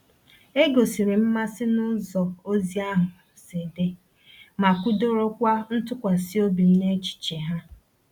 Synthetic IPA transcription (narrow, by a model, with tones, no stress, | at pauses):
e˦ɡo˨si˨ɾi˨m̩˦ma˦sɪ˦nʊ˦zɔ˨o˦zi˦a˦ɦʊ˨ | si˨de˦ | ma˨kʷu˦do˦ɾo˦kʷa˦n̩˦tʊ˦kʷa˨si˦o˦bi˨n̩˦ne˦t͡ʃi̥˨t͡ʃe˨ɦa˦